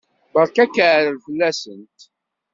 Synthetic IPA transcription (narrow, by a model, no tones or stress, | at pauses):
bəɾˤkækːəʕɾəlfəlːæsənt̪